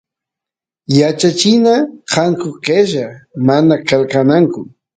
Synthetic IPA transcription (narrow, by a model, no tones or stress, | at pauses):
jat͡ʃat͡ʃɪnaqɑŋkoɢeʒamanakalkanaŋkʊ